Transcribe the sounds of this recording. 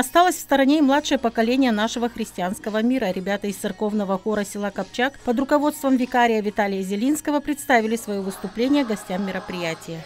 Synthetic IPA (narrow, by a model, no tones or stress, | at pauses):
ɐst̪alˠəsʲfst̪əɾɐnʲeɪmlˠat̪ʂɨjəpəkɐlʲenʲɪjən̪aʂɨvəxɾʲɪsʲtʲɪanskəvəmʲiɾəɾʲɪbʲat̪əɪst̪sɨrko̞vnəvəxoɾəsʲɪlˠakɐpt͡ɕakpəd̪ɾʊkɐvo̞t̪st̪vəmvʲɪkaɾʲɪjəvʲɪt̪alʲɪjəzʲɪlʲinskəvəpɾʲɪt̪st̪avʲɪlʲɪsvɐjovɨst̪ʊplʲenʲɪjəɡɐsʲtʲamːʲɪɾəpɾʲɪjætʲɪjə